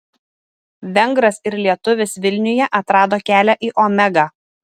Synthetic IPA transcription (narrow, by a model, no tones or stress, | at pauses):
ʋʲɛŋɡɾɐsɪɾlʲiɛt̪ʊʋʲɪsʋʲɪlʲnʲʊjɛʔɐt̪ɾɑːd̪oːkʲæːlʲæʔiːʔɔːmʲɛɡɑː